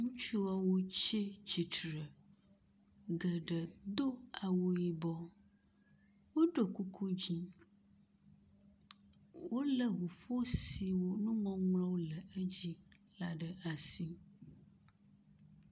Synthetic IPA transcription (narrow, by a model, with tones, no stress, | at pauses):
ŋũ˦t͡ʃu˦a˦wo˦t͡ʃe˦t͡ʃi˨tɾə˨ | ɡə˨ɖə˨d̪o˦a˨wo˦ji˦bɔ˦ | wo˦ɖo˨ku˦kʰu˦d͡ʑi˦ | wo˦lə˨wu˨fo˦si˨wo˦nũ˦mɔ̃˦ŋlɔ̃˦wo˦lə˨ə˦d͡ʑi˦ | la˦ɖə˨ʔa˨si˦